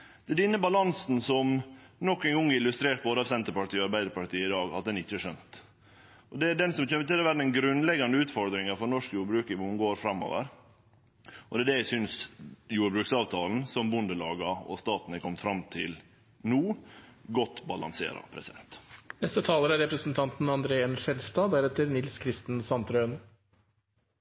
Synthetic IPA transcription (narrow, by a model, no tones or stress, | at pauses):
d̪ɛæɖɛnːəbɑlɑnsnsɔmnɔkːɛnɡɔŋːæɾɪlʉst̪ɾeːʈ̪̚boːd̪əɑʋsɛnt̪əɾpɑʈiːɔɑɾbæɪd̪əɾpɑʈiːəɪd̪ɑːɡɑ̰t̪̚d̪ɛnɪt͡ʃːəæʂœnt̪ | ʔɔd̪ɛæɖɛnsɔmc͡çɛːmːət̪ɪlɛʋæɾɛnɡɾʉnlɛɡɑnd̪əʉːt̪fɔɾd̪ɾɪŋɑɾfɔnɔʂkjuːɾbɾʉːkəmʊmɡoːɾfɾɑmːo̰ːʋə̰ɾ | ɔd̪ɛæɖɛjæɪsʏnsjuːɾbɾʉːksɑːʋt̪ʰɑːln̩sɔmbʊnd̪əlɑːɡɑɔ̰st̪ɑːt̪nəkʰɔmt̪fɾɑmt̪ʰɪl | nuːɡɔt̪ːbɑlɑ̰nsḛːɾɑ̰pʰɾɛsɪd̪ɛ̰nt̪nɛst̪ət̪ʰɑːləɾæɾɛpɾəsənt̪ʰɑnt̪nɑnd̪ɾeːɛnʂɛlst̪ɑːd̪æɾɛt̪əɾnɪlskʰɾɪst̪ən̩sɑnt̪ɾœən